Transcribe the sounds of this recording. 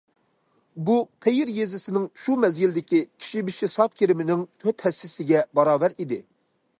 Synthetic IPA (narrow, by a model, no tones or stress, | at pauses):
buqʰejɪɾjezɪsɪnɪŋʃumɛzɡʲild̪ɪkʲikʲʰi̥ʃibiʃisɑp̚kʲʰeɾɪmɪnɪŋt̪ʰøt̪hɛsːɪsɪɡʲɛbɑɾɑːbɛɾid̪ɪ